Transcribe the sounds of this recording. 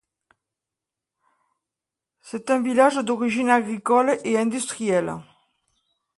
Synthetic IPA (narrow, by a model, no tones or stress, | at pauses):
set̪ɛ̃ɱvilaʒəd̪oʁiʒinaɡʁikɔlʔeɛ̃nd̪yst̪ʁiɛl